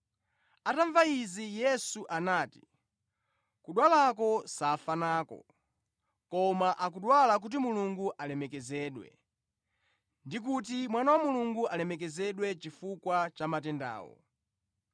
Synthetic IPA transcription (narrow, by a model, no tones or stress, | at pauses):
ataɱvaizijɛsuʔanaːti̥ | kuɗwalakɔsafanaːkɔ̰ | kɔmaʔak̬uɗwalak̬ut̬imuluŋɡuʔalɛmɛkɛzɛːɗwɛ̰ | ndik̬ut̬imwanawamuluŋɡuʔalɛmɛk̬ɛzɛɗwɛt͡ʃifukwat͡ʃamatɛnda̰ːwɔ̰